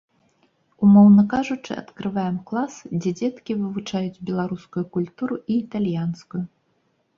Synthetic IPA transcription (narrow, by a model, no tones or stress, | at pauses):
umɔwnɐkaʐut͡ʂɨ̰ɐ̰t̪kɾɨvajɛmklˠasd͡zʲɛd͡zʲɛt̪kʲivɨvut͡ʂajud͡zʲbʲɛlˠaɾuskujukulʲt̪uɾuʔiːt̪alʲjanskuju